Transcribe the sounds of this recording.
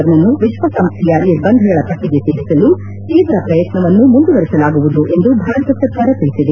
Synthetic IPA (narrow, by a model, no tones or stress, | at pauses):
ɐɾnɐnːuʋiʃʋɐsɐmst̪ʰijaiɾbɐnd̪ʱɐɡɐɭɐp̪ɐʈʰːiɡeseːɭisɐlu | keːʋ̪ɾɐpɾɐjɐt̪nɐʋɐnːumund̪uʋɐɾisɐlaːɡuʋud̪uʔe̞nd̪ubʱaːɾɐt̪ɐsɐt̪ʰaːɾɐt̪ɐɭisid̪e